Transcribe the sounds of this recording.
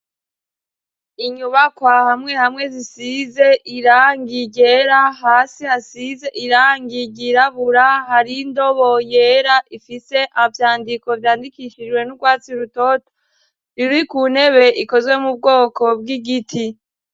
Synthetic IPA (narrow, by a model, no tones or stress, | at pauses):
iɲuβakwahamŋe̞hamŋe̞zisize̞ʔiɾaːŋɡiɟe̞ɾaɦaːsihasizeʔiɾaːŋɡiɟiɾaβuɾahaɾindo̞βo̞jeːɾaʔifise̞ʔavjaːndiko̞vjaːndikiʃid͡ʒwe̞nuɡwaːt͡siɾuto̞to̥ | ɾiɾuikuːne̞βe̞ʔiko̞zwe̞mub̚ɡo̞ːkʰo̞b̚ɡiɡitʰi